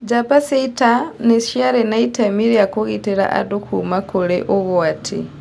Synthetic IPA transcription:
d͡ʒapaseitaneʃjaɾenaitamiɾeakoɣiteɾa̰ʔa̰dokumakuɾḛʔoɣwatʰḭ

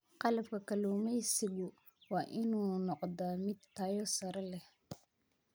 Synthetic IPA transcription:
qɑlɐbkʰɐkʰɐluːmɛjsɪɣʊ | wɑːʔɪnuːnɔqd̪aːmɪd̪t̪ʰaːjɔsɐɾɐlɛh

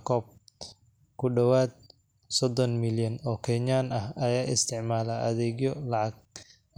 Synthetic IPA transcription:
kʰɔːb̚ | kʰʊɖɐwaːd̪̚ | sɔd̪ɔnmɪljɐnɔːkʰɛɲaːnɐhɐjaːɪst̪ʰɪʕmaːlaʔɐ̰ðɛːɣjɔlɑʕɑɡ̚

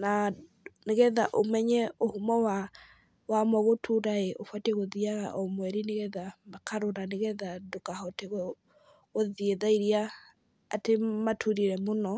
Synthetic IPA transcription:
na | neɣɛðaʔomɛɲɛohumɔwa | wamɔɣotʰuɾaeʔofwateɣoðiaɣa̰ʔɔmwɛɾineɣɛðamakʰaɾonaneɣɛðadokahɔteɣɛ | ɣoðieðaiɾia | a̰tematʰuɾiɾɛmonɔ

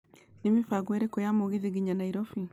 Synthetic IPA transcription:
nimifaɡwɛɾekɔjamoɣiðiɣiɲanaiɾɔfi

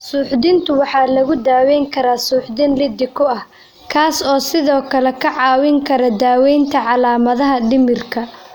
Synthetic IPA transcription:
suːħd̪ɪnt̪ʰʊwɑħɑːlɐɣʊd̪aːwɛjŋkʰɐɾaːsuːħd̪ɪnlɪd̪ɪkʰʊɐh | kʰaːsɔːsɪðɔːkʰɐlɛkʰɐʕɑːwɪŋkʰɐɾɐd̪aːwɛjnt̪ʰɐʕɑlaːmɐðɐɦɐɖɪmɪrkʰɐ

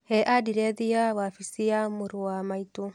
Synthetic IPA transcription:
hɛʔadiɾeðiaβafisiamuɾuamaitu

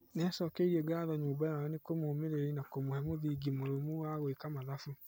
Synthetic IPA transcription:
neasɔkeiɾɛɡaːðɔɲoːbajaɔnekomoːmeɾeɾenakomohɛmoðiɡimoɾomowaɣwekamaðafu

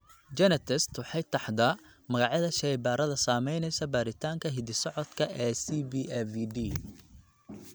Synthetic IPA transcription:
d͡ʒɛnɛt̪ʰɛst̪ʰwɑħɑjt̪ʰɑħd̪ɐ | mɐɣɑʕjɐðɐʃɛjbaːɾɐðɐsaːmɛjnɛjsɐbaːɾɪt̪ʰaːŋkʰɐɦɪðɪsɔʕɔd̪kʰɐʔɛːsibiɛfiɖiː

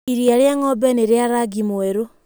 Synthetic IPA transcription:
iɾjaɾjaŋɔbeneɾeaɾaɡimweɾo

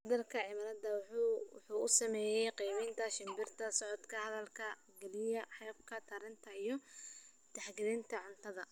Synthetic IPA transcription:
ɐðɐlkʰɐʕɪmɐːɾɐd̪ɐwwħuːʊsɐmɛːjɛjqiːmɪnt̪ʰɐʃɪmbɪrt̪ʰɐsɔʕɔd̪kʰɐhɐðɐlkʰɐ | ɡɛlɪjɐħɑːb̚kʰɐt̪ʰɐɾɪnt̪ʰɐijɔ | t̪ɐħɡɪɾɪnt̪ʰɐʕʊnt̪ʰɐðɐ

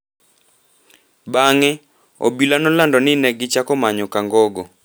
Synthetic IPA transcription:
baŋɛ | o̰bilanɔlandɔnɪnɛɡɪt͡ʃakɔmaɲɔkaŋɡɔɡɔ

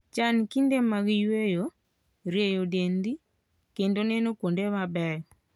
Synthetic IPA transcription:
t͡ʃankindemaɣijwejo | ɾejodendi | kendonɛnokondemabɛjɔ

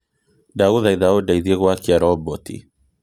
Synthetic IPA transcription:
dauðaiðaɔdaiðieɣwakiaɾɔbɔtḭ

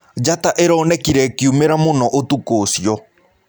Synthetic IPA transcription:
d͡ʒat̪aʔeɾonekiɾekiumeɾamonoʔot̪ukoːsio

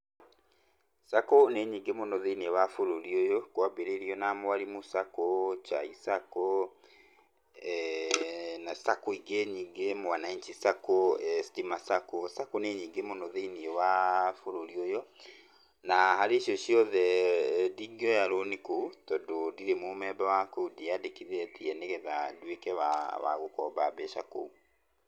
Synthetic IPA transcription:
sakoneɲiːŋɡemonɔðeiniɛwafoɾoɾiojɔkwabeɾeɾiɔnamoaɾimosakot͡ʃa̰isako | nasakoiɡeɲiːŋɡemwanaintisakostimasakosakoneɲiːŋɡemonoðeiniɛwafoɾoɾiojɔ | nahaɾeʃiɔʃiɔðɛdiɡiɔjaɾonikotɔdodiɾemomɛbawakoudiadekiðɛtiɛneɣɛðadwekɛwawa̰ɣokɔbabɛʃa̰ko̰u

